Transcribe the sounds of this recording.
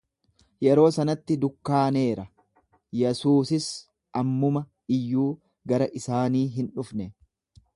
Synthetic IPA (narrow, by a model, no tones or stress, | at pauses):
jɛɾo̞ːsɐnɐt̪ːɪd̪ʊkːaːne̞ːɾɐ | jɛsuːsɪs | ʔɐmːʊmɐ | ɪjːuː | ɡɐɾɐʔɪsaːniːɦɪnᶑʊfnɛ